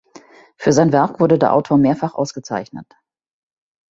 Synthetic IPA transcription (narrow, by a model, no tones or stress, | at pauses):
fyːɐzaɪnvɛɐkv̥ʊɐdədeːɐʔa̰ʊtʰoːɐmeːɐfaχʔa̰ʊsɡ̥ət͡sa̰ɪçnə̰t